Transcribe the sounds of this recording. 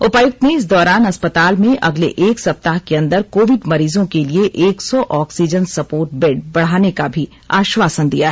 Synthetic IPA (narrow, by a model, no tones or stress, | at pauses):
ʊpajʊk̚t̪neɪs̬d̪ɔːɾaːnɐspət̪aːlmẽʔɐɡlḛʔeːksɐp̚t̪aɦkeɐ̃nd̪əɾkoːʋɪɖmɐɾiːzõkelieʔeːksɔʔɔːksid͡ʒənsɐpoːɾʈ̚beːɖ̚bɐɽ̤aːnekabʱi | aːʃwaːsənd̪ijaɦɛ